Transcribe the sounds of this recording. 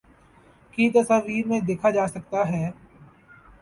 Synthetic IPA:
kiːt̪əsaːʋiːɾmẽd̪eːkʰad͡ʒaːsɐk̚t̪aɦɛː

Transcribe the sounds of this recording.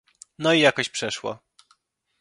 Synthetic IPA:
nɔijakɔɕpʂɛʂwɔ̰

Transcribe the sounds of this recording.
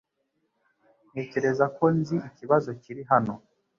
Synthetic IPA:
ne̞ːce̞ɾe̞zako̞nziiciβazo̞ciɾiɦano

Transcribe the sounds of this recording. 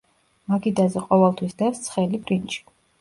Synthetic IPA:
makʰid̪azɛqʼɔvɛlˠt̪ʰwisd̪ɛst̪sʰχɛlipʼɾint͡ʃʼi̥

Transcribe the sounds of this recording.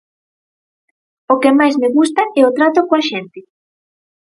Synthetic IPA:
okemajsmeɣust̪aɛot̪ɾat̪okoaʃɛnt̪ɪ

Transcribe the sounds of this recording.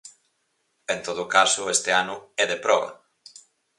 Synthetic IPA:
ent̪oðʊkasʊest̪eanʊɛðepɾɔβa̰

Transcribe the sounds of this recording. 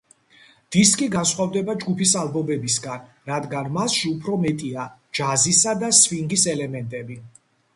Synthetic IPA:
d̪̥iskʼiɡansχwavd̪ɛbad͡ʒɡupʰisalˠbɔbɛbisɡan | ɾad̪ɡanmasʃiupʰɾɔmɛt̪ʼiad͡ʒazisad̪asviŋɡisɛlɛmɛnt̪ʼɛbi

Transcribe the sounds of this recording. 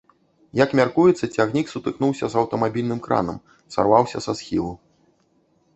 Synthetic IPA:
jɐkmʲarkujɛt̪sːɐt͡sʲaɣnʲiksut̪ɨknuwsʲɐzɐwt̪ɐmabʲilʲnɨmkɾa̰nɐm | sa̰rvawsʲɐ̰sasxʲilˠu

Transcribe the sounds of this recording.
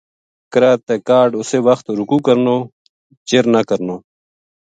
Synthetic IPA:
kɾaːt̪ekaːɾɖʊsewɐxt̪ɾukuːkəɾnoː | t͡ɕeɾnakɐɾnoː

